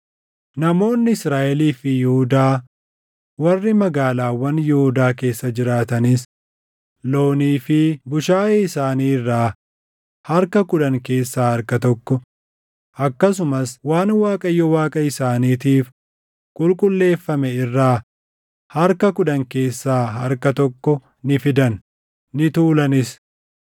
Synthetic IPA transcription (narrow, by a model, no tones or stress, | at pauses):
nɐmo̞ːnːɪɪsɾaːʔɛliːfɪjʊhʊd̪aː | wɐrːɪmɐɡaːlaːwɐnjʊhʊd̪aːke̞ːsːɐd͡ʒɪɾaːt̪ɐnɪs | lo̞ːniːfɪbʊʃaːjɛɪsaːniːrːaː | hɐɾkɐkʊᶑɐŋke̞ːsːaːhɐɾkɐt̪ɔkːɔ | ʔɐkːɐs̬ʊmɐswaːnwaːkʼɐjːɔwaːkʼɐɪsaːniːt̪iːf | kʼʊlkʼʊlːe̞ːfːɐmɛɪrːaː | hɐɾkɐkʊᶑɐŋke̞ːsːaːhɐɾkɐt̪ɔkːɔ | nɪfɪd̪ɐnː | ɪt̪uːlɐnɪs